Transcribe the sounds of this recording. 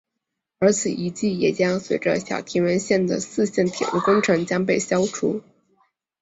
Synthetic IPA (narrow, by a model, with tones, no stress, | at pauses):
ə˞˧˥t͡sʰɹ̩˨˩i˧˥t͡ɕi˥˩jɛ˨˩t͡ɕjɑ˥ŋswe˧˥ɪʈ͡ʂə̰˧ɕjɑ̰˨˩ʊt̪ʰi˧˥nwə˧˥nɕjɛ˥˩nd̪ə̰˩sɹ̩˥˧ɕjɛ˥˩nt̪ʰḭ˨˩u˥˩kʊ˥ŋʈ͡ʂʰɤ˧˥ŋt͡ɕjɑ˥ŋp̬e˥˩ɪɕjɑ˥ʊʈ͡ʂʰu˧˥